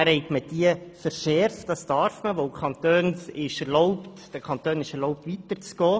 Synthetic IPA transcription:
æɾhɛɪkməd̥iəfəɾʃɛɾftd̥ɑstɑɾfməʋowkʰχɑnt̪øːnɪʃɛɾlɔwptd̥əkʰɑnt̪øːnɪʃɛɾlɔwp̚tʋitəɾt͡sɡ̥ɔː

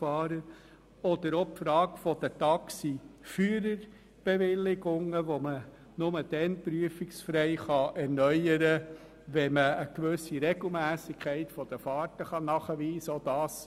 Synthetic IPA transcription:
fɑːɾə | ɔd̪əɾopfɾɑːɡfɔd̥̪ətɑksifyəɾəɾ | b̥eʋɪlɪɡʊŋəʋomə | nʊməd̥̪ɛnpɾyəfɪksfɾɛɪχɑʔɛɾnœjəɾə | ʋɛməəkʋɵsːiɾɛɡ̥l̩ˠmæːsɪkʰɛɪtfɔd̥̪əfɑːɾtəχɑnɑχəʋiːsəod̥̪ɑːs

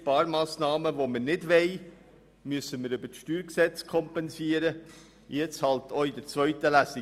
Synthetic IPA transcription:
pɑːɾmɑːsnɑːməʋoməɾnɪdvɛɪ | myəsəməɾʏbəʃtyːɾksɛt͡skʰɔmpɛnsiːəɾə | jɛt͡shɑlt̪ɔidəɾt͡svœɥt̪əlæsi

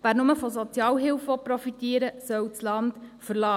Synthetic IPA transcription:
væːɾnʊməfɔsɔt͡sjɑːlɦɪlfʋɔpɾɔfit̪iəɾəsœwt͡slɑndfəɾlɑː

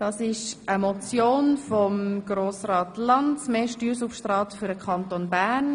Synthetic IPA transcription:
d̥ɑːsɪʃʔəmɔt͡sjoːnfɔmɡ̥roːsrɑːtlɑntsmeːʃtyːɾsufʃtrɑːtfyɾdəkχɑntonbæːɾn

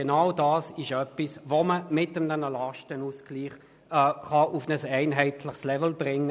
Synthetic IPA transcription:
enaʊdɑːsɪʃœpːisvoməmɪtəmdɛnəlɑʃtənuskliːχ | ɛχɑʔufnəsɛɪnɦɛɪtʰləχslɛvəl̩bʁɪŋːə

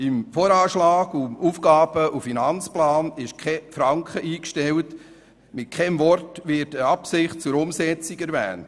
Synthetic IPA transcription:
ɪmfɔːɾɑːʃlɑːɡumufɡɑːb̥əʔufinɑnt͡splɑːnɪʃkʰɛfɾɑŋkχəiːkʃtɛlt | mɪt̚kʰɛmʋɔrtʋɪɾtəɑpsɪχt̚t͡sʊɾʊmsɛt͡siɡɛɾʋæ̰ːnt

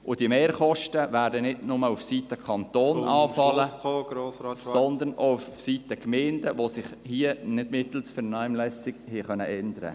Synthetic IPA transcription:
ʔʊd̥imeːɾχɔʃtəʋæːɾdənɪdnʊməufsiːtəkʰχɑnt̪oːnɑːfɑllə | sɔnd̪ənʔoufufsiːt̪əkmeːndəʋosɪχhiənɪd̥mɪt̪l̩sfəɾnɑmlɛsɪɡhiχœnəʔɛndəɾə̰

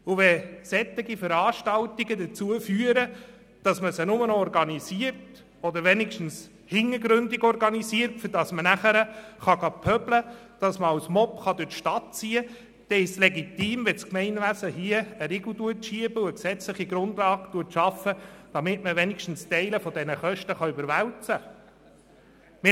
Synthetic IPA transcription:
ʊʋɛsɛt̪ːɪɡifəɾɑːʃtɑltiɡədət͡suəfyəɾə | d̥ɑsməsənʊmənɔɾɡɑnisiəɾt | ɔd̪əɾʋɛnɪkʃtn̩s | hɪŋːəɡɾʏndɪɡɔɾɡɑnisiːəɾtfʏdɑsmənæχəɾəχɑɡɑpʰœblə | d̥ɑsməɑwsmɔpχɑd̪ɪʃtɑt̚t͡siːə | d̪̥ɛɪʃslɛɡitiːmʋɛskmɛɪnʋæsəɦiəəɾɪɡl̩duətʃiəbəuəksɛt͡sləχiɡɾʊnd̪lɑːɡtuətʃɑfːəd̥ɑmɪtməʋɛnikʃtn̩stɛɪləfɔd̪ɛnəχœʃtəχɑʏbəɾʋæwt͡sə | mɪ

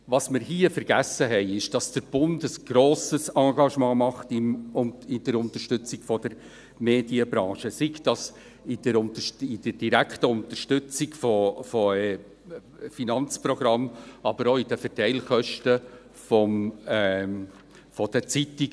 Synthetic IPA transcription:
vɑsmɪɾhiːəfəɾɡ̥æsəɦɛɪɪʃd̥ɑsd̥əɾb̥ʊndəsɡ̥ɾoːsəsɑ̃ːɡɑʃmɑ̃ːmɑχtɪmʊɪd̥əɾʊnt̪əʃtʏt͡sɪɡfɔd̥əɾ | meːd̥iəbɾɑ̃ːʃəsikd̥ɑs | ɪdəɾʊntəɪd̥əd̥iɾæktəʊnt̪əɾʃtʏt͡sɪɡfɔfɔɛ | finɑnt͡sprɔɡɾɑmɑb̥əɾoːɪd̥əfɛɾtɛɪlχœʃtə | fɔm | fɔd̥ət͡sitɪɡ

